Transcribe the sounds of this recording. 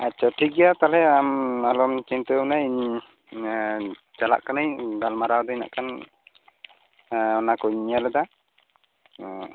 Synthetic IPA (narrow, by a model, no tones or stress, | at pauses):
at͡ʃɔʈʰiɡɛjat̪alɛamalɔmt͡ʃint̪ənajiɲ | t͡ʃala̰ʔkanəjɡalmaɾawd̪ɔjna̰ʔkan | ɔnakɔɲalɛd̪a